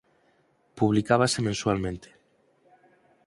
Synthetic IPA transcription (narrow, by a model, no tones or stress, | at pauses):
puβ̞likaβ̞asemẽnsualmẽnt̪ʰe̥